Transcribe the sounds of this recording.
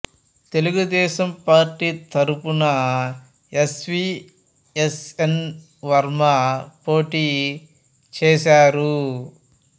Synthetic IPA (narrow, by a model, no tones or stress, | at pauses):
t̪e̞luɡud̪ɛːʃɐmpaːɾʈiːt̪ʰɐɾupunɐ | esʋiː | esen | ʋɐɾmɐpo̞ːʈiː | t͡ʃɛːʃaːɾu